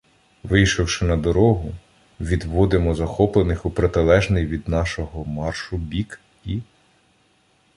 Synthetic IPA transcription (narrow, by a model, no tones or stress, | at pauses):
ʋɪjʃɔwʃɪnɐd̪ɔɾɔɦʊ | ʋʲid̪ʋɔd̪ɪmɔzɐxɔplˠenɪxʊpɾet̪ɪlˠɛʒnɪjʋʲid̪nɑʃɔɦɔmɑrʃʊbʲik | i